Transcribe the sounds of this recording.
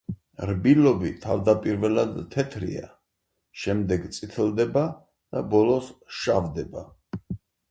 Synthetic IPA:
ɾbilɔbḭt̪ʰavd̪apʼiɾvɛlad̪t̪ʰːɛt̪ʰɾḭa̰ | ʃɛmd̪ɛɡt̪sʼit̪ʰɛlˠd̪ɛba | d̪̥abɔlɔsʃavd̪ɛba

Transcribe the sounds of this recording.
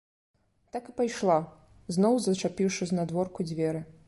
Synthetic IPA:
t̪akɨpajʂlˠa | znɔwzɐt͡ʂapʲiwʂɨznad̪vɔrkud͡zʲvʲɛɾɨ

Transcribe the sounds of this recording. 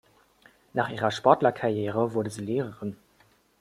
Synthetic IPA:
naːχiːʁɐʃpɔɐtlɐkʰaʁjeːʁəvuɐdəzəleːʁəʁən

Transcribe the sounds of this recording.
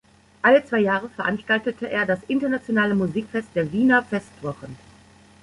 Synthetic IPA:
ʔalət͡sv̥aɪjaːʁ̞əfɛɐʔanʃtaltətʰəʔeːɐdasʔɪntɐnat͡sjonaːləmuziːkfɛst̚d̥eːɐviːnɐfɛstv̥ɔʁən

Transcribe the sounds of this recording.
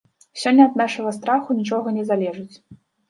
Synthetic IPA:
sʲɔnʲːɐɐd̪naʂɐɣɐst̪ɾaxunʲit͡ʂɔɣɐnʲɛzalʲɛʐɨt͡sʲ

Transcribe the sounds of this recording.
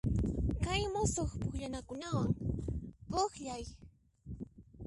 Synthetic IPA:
kajmosoχpʊχʎanakʊnawaŋ | poχʎaj

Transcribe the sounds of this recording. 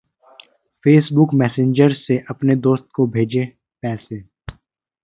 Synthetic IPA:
fʰeːsbʊkmɛːsẽɲd͡ʒəɾseʔɐpned̪oːst̪̚kobʱeːd͡ʒe | pɛːse

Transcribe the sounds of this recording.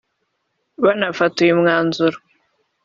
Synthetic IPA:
βanafatujimŋaːnzuɾu

